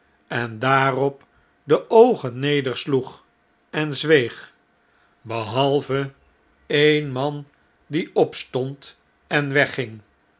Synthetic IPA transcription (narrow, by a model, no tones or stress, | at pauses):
ɛndaːrɔp | dəʔowχənːejdəɹsluχ | ɛnzʋejχ | bəɦɑlˠvə | ejnmɑn | diɔpstɔnt | ɛnʋɛχɪŋ